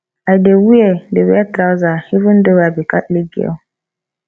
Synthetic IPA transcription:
adewuedewiatɾawzahivɨn̩dəwabikatliɡɛ̰w

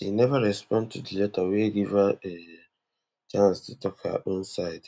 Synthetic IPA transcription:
inɛvaɾɛspɔ̃ndtʰudilɛtaweɡivae | t͡ʃãnstɪtɔkʰa̰ʔĩn̩saɪd

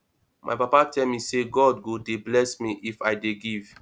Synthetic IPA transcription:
mʔa̰jpapatʰɛlmĩseɡɔdɡodeblɛsmiʔifajdeɡiv

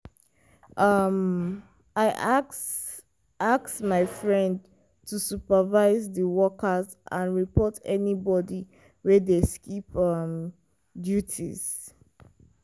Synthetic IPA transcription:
ʔʌm | aɪʔaks | aksmaɪfɹɛ̃nd | tʰusupəvaɪzðəwɔkəszʔã̰nɹipɔtʰɛnibɔdi | wɛdeskipʌm | djutʰḭz̥

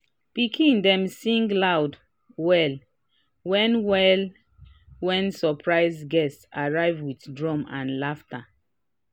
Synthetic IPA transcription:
pikʰĩndɛ̃msĩŋɡlawd | wɛl | wɛ̃nwɛl | wɛ̃nsɔpʰɹaɪzɡɛstsaɹaɪvwitdɹɔ̃mãnlaftʰa

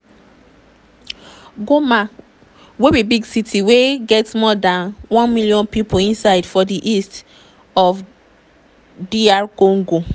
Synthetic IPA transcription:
ɡoma | webibiɡsitʰiweɡɛtmɔdãnwɔ̃nmilijɔ̃npipoĩnsaɪdfɔdiʔist | ɔf | diaɹkõŋɡo

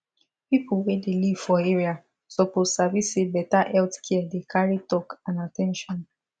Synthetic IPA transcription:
pipulwedeliv̥fɔeɹia | sopotsavisebɛtaʔɛltkʰɛdekʰaɹitɔkãnatɛ̃nʃɔ̃n

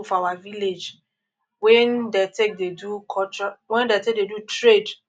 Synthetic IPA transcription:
fawaviled͡ʒ | wɛ̃ndetek̚dedukʰɔt͡ʃɔwɛ̃ndetek̚dedutɹed

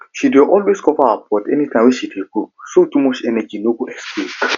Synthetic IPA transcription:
ʃideʔɔlweskɔfaapʰɔtɛnitʰãwɛʃideɡosotumɔt͡ʃɛnɛd͡ʒinoɡoɛksple

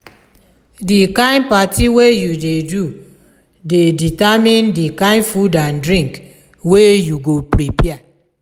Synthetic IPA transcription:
dikãɪ̃npatʰiwejudedu | deditamĩndikãɪ̃nfudãndɾĩŋk | wejuɡopɾipɛa

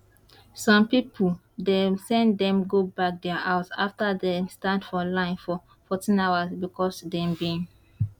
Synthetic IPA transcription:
sɔ̃mpipʰəl | desɛ̃nddɛ̃mɡobak̚dɛəʔaʊta̰ftədestãndfɔlãɪ̃nfɔ | fɔtĩnawasbikɔsdɛ̃mbĩn

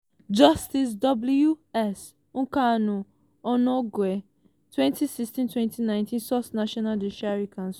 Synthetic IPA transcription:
d͡ʒɐstis̬dɔbljuɛs | ũŋkanu | ɔnɔɡwe | twɛ̃nt̪isistĩntwɛ̃ntinãjntĩnsɔθnaʃɔnald̪iʃaɾikãns

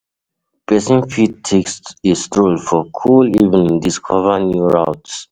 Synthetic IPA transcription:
b̥esĩnfit̚tʰeksistɹolfɔkʰulivə̃nĩnd̪iskʰɔvənjuɹawts

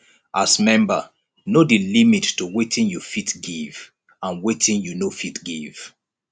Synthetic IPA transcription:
ʔasmɛ̃mbə̰ | nodilimitːuwetʰĩnjufitɡiv | ãnwetĩnjunofitɡiv̥

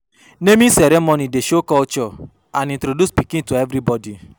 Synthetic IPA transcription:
nẽmĩsɛɾemõnĩdeʃokɔt͡ʃɔ | ãnĩntɾoduspikĩtuɛvɾibɔdi

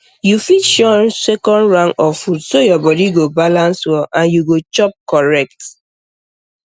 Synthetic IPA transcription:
jufitʃɔnsekɔ̃ndɹãŋɔfudsojɔbɔdiɡobalãnswɔʔãnjuɡot͡ʃɔp̚kɔɹɛk̚t

